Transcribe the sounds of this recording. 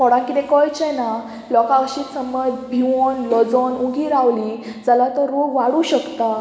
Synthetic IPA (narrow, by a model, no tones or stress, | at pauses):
kɔɽãkit̪ɛkəjt͡ɕɛna | lɔkaəɕit̪səməd͡zbʱiʋonlɔd͡zonuɡiːɾaʋli | d͡zəlat̪əɾːoɡʋaɽuːɕəkt̪a